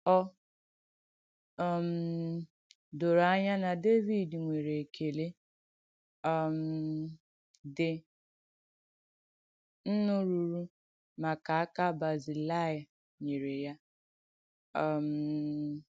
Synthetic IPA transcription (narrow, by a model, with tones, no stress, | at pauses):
ɔ˦ | ɔ˨m̩˨ | do˨ɾa˦ɲa˦na˨de˦vi˦˨dŋʷe˨ɾe˨kʰe˨le˦ | ɔ˨m̩˨ | dɪ˨ | n̩˦nʊ˦ɾu˨ɾu˦ | ma˨ka˨a˦ka˦ba˨zi˨la˦˨ja˨ | ɲe˨ɾe˨ja˦ | ɔ˨m̩˨